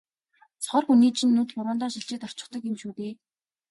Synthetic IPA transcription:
t͡sʰɔ̥χɞ̆rxuniːt͡ɕʰĭnːut̪pʊɾʊːnt̪ɔːnʃiɮt͡ɕiːt̪ɔ̥t͡ɕɪ̆t̪ɞ̆kimʃuːt̪eː

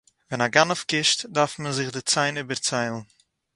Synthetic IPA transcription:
vɛnaɡanʊfkɪʃtdaɾfmənzɪχdɪt͡saɪnyːbəɾt͡saɪlˠn̩

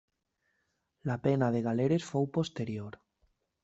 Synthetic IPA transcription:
lapenaðeɣ̞aleɾesfowpost̪eɾjoɾ

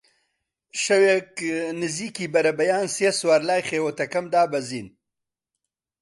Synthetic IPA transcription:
ʃɐweknɪziːkiːbɐɾɐbɐjaːnseswaːɾlaːjxewot̪ɐkɐmd̪aːbɐziːn

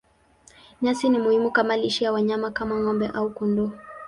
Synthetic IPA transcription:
ɲasinimuhimukamaliʃijawaɲamakamaŋɔmbɛʔaukundɔ

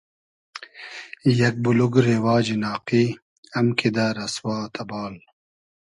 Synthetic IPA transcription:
jɐk̚buluɡɾewaːd͡ʑinaːqiː | ɐmkʰid̪aːɾɐswaːt̪ʰɐbɑːl

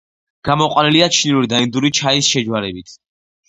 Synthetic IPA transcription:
ɡ̥amɔqʼwaniliat͡ʃʰniuɾid̪aind̪uɾit͡ʃʰaisʃɛd͡ʒwaɾɛbit̪ʰ

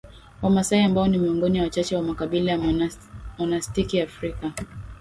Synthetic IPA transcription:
wamasaiambaɔnimiɔŋɡɔniwawat͡ʃat͡ʃɛwamakaɓilaja | mɔnastikiafɾika

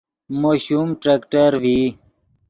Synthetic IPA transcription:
moːɕumʈɾeːkʈəɾʋi

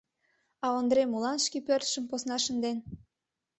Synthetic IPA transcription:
ɑond̪ɾemulɑnʃkipørt̪ʃəmposnɑʃənd̪en

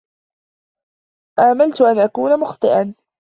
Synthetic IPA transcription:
ʔaːmalt̪ʊʔanʔakuːnamʊxt̪ˤɨʔan

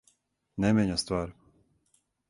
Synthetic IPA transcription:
nɛmʲɛɲast̪ʋaːɾ

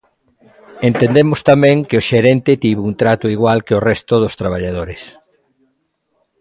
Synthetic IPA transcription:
ent̪end̪emʊst̪amɛ̃ŋkeoʃeɾɛnt̪ɪt̪iβunt̪ɾat̪ʊiɣwalkeorɛst̪ʊðʊst̪ɾaβ̞aʎað̞oɾes

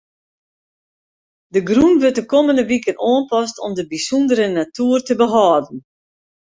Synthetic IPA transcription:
dəɡrunʋʏt̚dəkoməndəʋikənoːənpɔstɔmdəbisundəɾənatuːrtəbəɦɔːdn̩

